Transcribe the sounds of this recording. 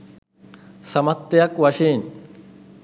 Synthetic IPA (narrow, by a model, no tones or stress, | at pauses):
sɐmɐt̪ːɪjɐkwɐʃiːn